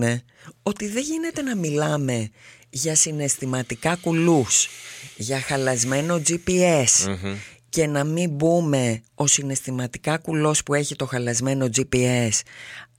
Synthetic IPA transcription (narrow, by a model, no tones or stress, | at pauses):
ne̞ | o̞t̪iðe̞ʝine̞t̪e̞nɐmilɐme̞ | ʝɐsine̞st̪imɐt̪ikɐkulusʝɐxɐlɐzme̞no̞d͡zipie̞sce̞nɐmimbume̞o̞sine̞st̪imɐt̪ikɐkulo̞spue̞çit̪o̞xɐlɐzme̞no̞d͡zipies